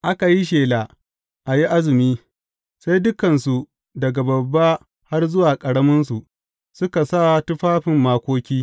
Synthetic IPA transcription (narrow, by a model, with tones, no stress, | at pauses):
ʔa˦ka˨ji˦ʃ̬eː˨la˨ | ʔa˨ji˦ʔa˦zɪ˨miː˦ | sa˦jdʊ˦kɐ˨nsu˨ | dɐ˨ɡa˨bɐ˨bːa˦ | ha˦rzʊ˦waː˨kʼɐ˨ɽɐ˦mɐ˦nsu˨ | sʊ˦ka˨sa˦˨tʊ˦ɸaː˦ɸɪ˨mːaː˨kʷoː˦kʲiː˦